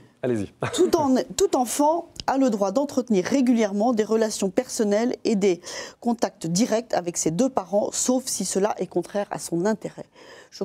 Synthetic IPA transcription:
alezḭũt̪ut̪ɑ̃fɑ̃aləd̪ʁwad̪ɑ̃t̪χət̪niʁːeɡʲyljɛʁmɑ̃d̪eʁəlasjɔ̃pɛʁsɔnɛled̪ekɔ̃t̪ak̚t̪d̪iʁɛk̚t̪ʰavɛksed̪øpaʁɑ̃sofsisəlaʔɛkɔ̃t̪χɛʁa̰sɔ̃nɛ̃t̪eʁɛʒə

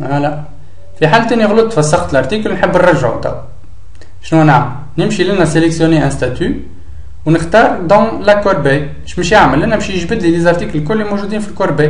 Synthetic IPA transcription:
ælæ | fiħalt̪æniɣlut̪ːfæsːɑxt̪əlʔɑɾˤt̪ikəlwnħəbːnrˤɑʒʕṵt̪ɑ̰w | ʃnuænaʕməl | nəmʃilænæseləksjuneʔæ̃st̪æt̪y | wnəxt̪ɑːɾˤd̪ɔ̃lækːoɾˤbej | ʃməʃjaʕməlʔænæmʃjəʒbəd̪lid̪izɑɾˤt̪iklkʊlːimoʒud̪iːnfilkoɾˤbej

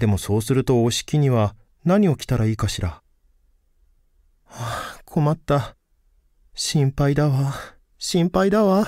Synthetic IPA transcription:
d̪e̞mo̞so̞ːsɨɾɯ̟t̪o̞oɕi̥kʲiɲ̟iβa | naɲ̟io̞kʲi̥t̪aɾaiːkaɕiɾa | akʰo̞mat̪ːa | ɕĩmpaid̪aβa | ɕĩmpaid̪aβa

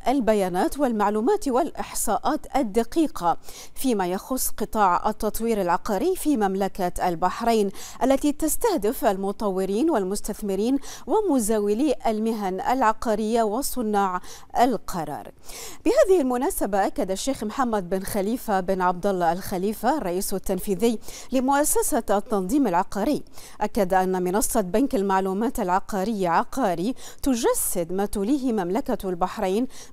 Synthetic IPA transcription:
ʔalbajaːnaːt̪wɪlmaʕluːmaːt̪wɪlʔɪħsˤɑːʔaːt̪ʔad̪ːaqiːqʰa | fiːmajɑxʊsˤːqɨt̪ˤɑːʕʔa̰t̪ːɑt̪ˤwiːɾalʕɑqɑːɾɪjːfiːmamlakaʔalbaħɾeːnʔalːat̪it̪ast̪ahd̪ɪfʔalmʊt̪ˤɑwːɪɾiːnwalmʊst̪aθmɪɾiːnwɪmʊzaːwɪliːʔalmɪɦanʔa̰lʕɑqɑːɾɪjːawɪsˤːʊnːaːʕ | ʔalqʰɑɾˤɑ̰ːɾˤ | b̥ɪhaːðɪhɪlmʊnaːsabaʔakːad̪aʃːeːxmħamːad̪̚bɪnxaliːfabɪnʕɑb̚d̪ɑlˤːɑalxaliːfaɑrˤːɑʔiːsat̪ːanfiːðɪjː | lɪmʊʔasːasat̪ːɑnðˤiːmalʕɑqɑːɾɪːʔakːad̪ʔanːamɪnɑsˤːɑbankalmaʕluːmaːt̪alʕɑqɑːɾɪjːaʕɑqɑːɾit̪ʊd͡ʒasːɪd̪maːt̪ʊliːɦɪmamlakalbaħɾˤaːn

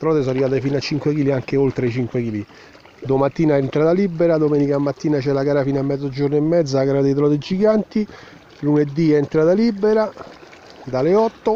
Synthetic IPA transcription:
t̪ɾɔːt̪es̬arːivaːt̪̬efinat͡ʃːiŋkwekiːliaŋk̟eolt̪ɾet͡ʃiŋkwekiːli | d̪omat̪ːiːnaɛnt̪ɾaːt̪alibːeɾad̪omeːnikamːat̪ːiːnat͡ʃɛlaɡaːɾafinamːɛd̪zːod͡ʒoɾnoemːɛd̪zalaɡaːɾad̪et̪ɾɔːd̪ed͡ʒiɡant̪i | luned̪ːiɛnt̪ɾaːt̪alibːeɾa | d̪aleɔt̪ːo

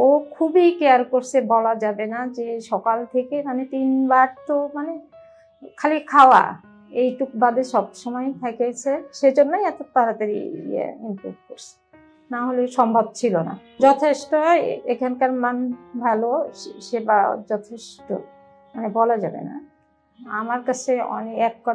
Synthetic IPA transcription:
okʰubikeaɾkoɾsʰebɔlad͡ʑabenad͡ʑeʃɔkalt̪ʰekemanet̪inbaɾt̪omane | kʰalikʰaoa̰ | ejʈuk̚bad̪eʃɔbʃɔmɔjt̪ʰɛket͡ɕʰeʃed͡ʑonːojɛt̪ot̪aɾat̪eɾḭḛimpɾṵbʱkoɾt͡ɕʰe̥ | naɦoleʃɔmbʱab̚t͡ɕʰilona̰ | d͡ʑɔt̪ʰeʃʈoekʰankaɾmanbʱɛloʃebad͡ʑɔt̪ʰeʃʈo̰ | manebɔlad͡ʑabḛna̰ | amaɾkat͡ɕʰeɔ̰neɛkːɔ

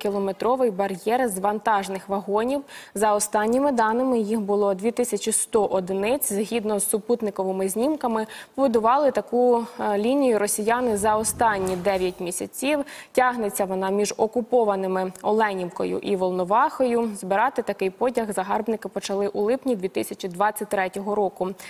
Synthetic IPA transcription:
kʲilˠɔmet̪ɾɔʋɪjbɐɾjɛrzʋɐnt̪ɑʒnɪxʋɐɦɔnʲiwzɐɔst̪ɑnʲːɪmɪd̪ɑnɪmɪjixbʊlˠɔd̪ʲʋʲit̪ɪsʲɐt͡ʃʲist̪ɔʔɔd̪ɪnɪt͡sʲzɦʲid̪nɔz̥ːʊput̪nɪkɔʋɪmɪzʲnʲimkɐmɪpɔbʊd̪ʊʋɑlˠɪt̪ɐkulʲinʲijʊɾɔsʲijɑnɪzɐɔst̪ɑnʲːid̪ɛʋʲjɐt̚ʲmʲisʲɐt͡sʲiwtʲɑɦnet͡sʲːɐʋɔnɑmʲiʒɔkʊpɔʋɐnɪmɪɔlˠɛnʲimkɔ̰jʊ̰ʔiʋɔlˠnɔʋɑxɔjʊzbɪɾɑt̪ɪt̪ɐkɪjpɔdʲɐɣzɐɦɑrbnɪkɪpɔt͡ʃɐlˠɪʔʊlˠɪpnʲid̪ʋʲit̪ɪsʲɐt͡ʃʲid̪ʋɑt͡sʲːɐt̚ʲt̪ɾɛtʲɔɦɔɾɔkʊ

